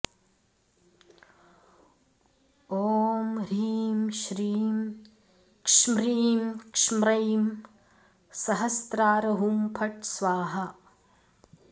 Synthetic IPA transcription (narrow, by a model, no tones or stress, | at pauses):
oːmɾiːmʃɾiːm | kʂmɾiːmkʂmɾɐjm | sɐɦɐst̪ɾaːɾɐɦumpʰɐʈsʋaːɦɐ